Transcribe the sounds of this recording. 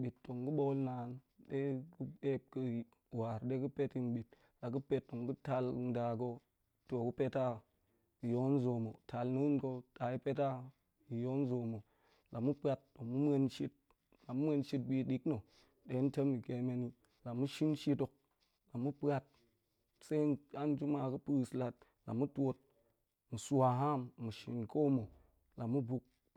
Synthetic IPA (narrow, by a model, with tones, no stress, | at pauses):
ɓi˨tːo˨ŋɡu˦ɓo˦lna˨n | ɗe˦ku˦e˦p̚kɨ˧ | wa˨ɾɗe˦kɨ˦pe˦ti˦n˦ɓi˨t̚ | la˨kɨ˦pe˦tːo˨ŋɡu˦ta˧ln˦da˨ko˧ | to˨ku˦pe˦ta˦ | i˨jo˦n˦zo˨mo˨ta˨lnɨ˦nko˧ta˨i˦pe˦ta˦ | i˨jo˦n˦zo˨mo˨ | la˨mu˦pa˦t̚to˨mu˦m˦e˦nʃi˦t̚ | la˨mu˦m˦e˧nʃi˦t̚bi˧ɗi˦kno˨ | ɗe˨˦n˦te˦mi˨ke˨me˨ni˦ | la˨mu˦ʃi˦nʃi˦to˨k̚ | la˨mːu˦pa˧t̚ | se˦a˦n˦d͡ʒu˦ma˧kɨ˦pɨ˦˨sla˨t̚ | la̰˨mu˦tʷo˧t̚ | mu˨su˦a˨ɦa˦˨mːu˨ʃḭ˨nko˦mo˨ | la˨mu˦bu˨k̚